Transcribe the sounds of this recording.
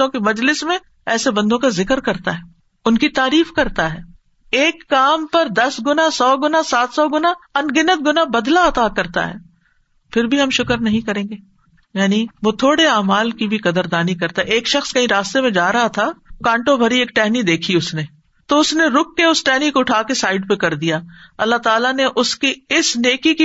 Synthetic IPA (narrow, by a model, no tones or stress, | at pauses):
õkimɐd͡ʒlɪsmẽ | ɛːsebɐ̃nd̪õkazɪkəɾkɐɾt̪aɦɛː | ʊnkit̪aːɾiːfkɐɾt̪aɦɛː | eːkːaːmpɐɾd̪ɐsɡʊnasɔːɡʊnasaːt̪sɔːɡʊnaɐnɡɪnət̪̚ɡʊnabɐd̪laɐt̪akɐɾt̪a̰ɦɛ̰ː | fʰɪɾbʱiɦɐmʃʊkəɾnɐɦĩkɐɾẽːŋɡeː | jaːniʋoːt̪ʰoːɽeaːmaːlkibʱikɐd̪əɾd̪aːnikɐɾt̪aɦɛeːkʃɐxskɐɦĩɾaːst̪emẽd͡ʒaːɾɐɦat̪ʰakãːɳʈobʱɐɾieːk̚ʈɛɦnid̪eːkʰiʊsne | t̪oʊsneɾʊkːeʊsʈɛɦnikoʊʈʰaːkesaːɪɖpekɐɾd̪ijaːɐlːaɦt̪aːlaneʔʊskiɪsneːkiki